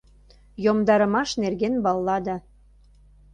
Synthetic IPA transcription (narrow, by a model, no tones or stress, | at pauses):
jomd̪ɑɾə̆mɑʃnerɣenbɑlːɑd̪ɑ